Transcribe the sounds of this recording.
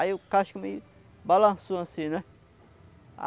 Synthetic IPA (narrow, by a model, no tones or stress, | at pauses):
aiʊkaʃkumɪ | balɐ̃soãsĩnɛ | a̰